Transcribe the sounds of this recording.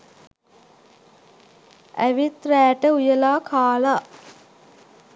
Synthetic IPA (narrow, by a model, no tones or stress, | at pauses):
æ̰ʋit̪ɾæːʈəujəlaːkʰaːla